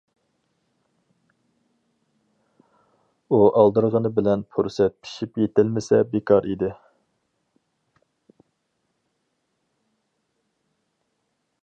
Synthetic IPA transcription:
uʔɑlˠd̪ɨɾʁənɨbɪlɛnpʰuɾsɛt̪̚pʰi̥ʃipjet̪ɪlmɪsɛbekʰɑɾid̪ɪ

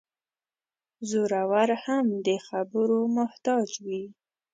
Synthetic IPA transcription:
zoɾawaɾhamd̪əxabəɾomʊht̪ɑd͡ʒwi

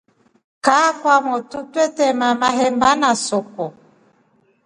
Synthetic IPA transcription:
kakwamɔtutɛtɛmamaɦɛmbanasɔkɔ

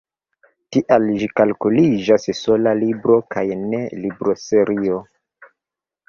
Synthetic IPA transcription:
tiʔalʒikalkulid͡ʒasso̞lalibɾo̞kajne̞libɾo̞seɾio

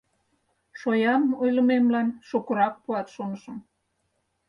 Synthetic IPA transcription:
ʃojɑmojlə̆memlɑnʃokuɾɑk̚puɑt̪ʃonəʃə̆m

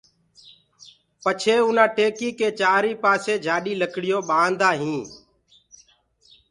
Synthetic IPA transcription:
pət͡ʃʰeːʊnãːʈeːkiːkeːt͡ʃaːɾiːpaːseːd͡ʒʱaːɗiːləkɽɪjoːɓãːnd̪aːɦĩː

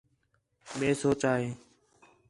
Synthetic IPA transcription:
ɓẽːsoːt͡ʃaːɦeː

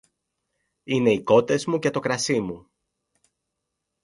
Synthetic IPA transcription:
ine̞iko̞t̪e̞zmucet̪o̞kɾɐsimu

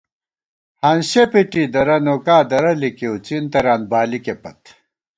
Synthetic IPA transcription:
hɐnɕepiʈid̪ɐɾɐnoːkaːd̪ɐɾɐlikewt͡sint̪ɐɾaːn̚baːlikepɐt̪

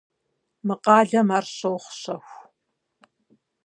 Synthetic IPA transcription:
mɨqɑːɮɐmaːrɕowχʷʊɕɐxʷ

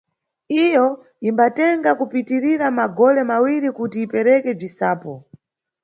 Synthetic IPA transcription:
ijɔ | imbatɛŋɡakupitiɾiɾamaɡɔlɛmawiɾikutiːpɛɾɛkɛb͡ʐisaːpɔ

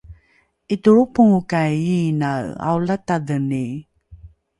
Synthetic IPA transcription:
ituɾupuŋukajinaa̰wlataðəni

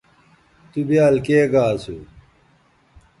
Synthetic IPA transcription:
t̪ubiaːlkeːɡaːsu

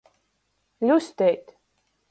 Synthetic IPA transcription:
lʲust̪ʲɛjt̪

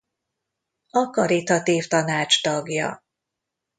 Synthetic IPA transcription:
ɒkɒɾit̪ɒt̪iːft̪ɒnaːt͡ʃt̪ɒɡjɒ̰

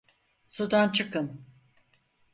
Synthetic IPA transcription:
sud̪ant͡ʃʰɯkɯn

